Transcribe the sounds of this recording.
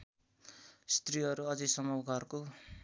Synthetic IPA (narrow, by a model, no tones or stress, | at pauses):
st̪riʌɾuʌd͡zʌsʌmʌwɡʱʌrko